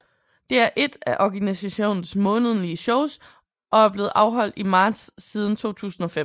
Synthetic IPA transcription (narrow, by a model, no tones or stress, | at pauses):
d̥e̝æɐʔe̝d̥æʔɒɡ̥ænisæɕo̝̰ːnn̩smɔ̽ːnəð̞̩ˠliəɕɔʊs | ʔɒ̽æɐb̥le̝ːð̩ˠʔɑ̈ʊɦɒ̽l̰d̥imɑ̈ːd̥sːiːð̞ˠn̩t͡sʰo̝̰ːt͡sʰṵːsn̩ɒ̽fe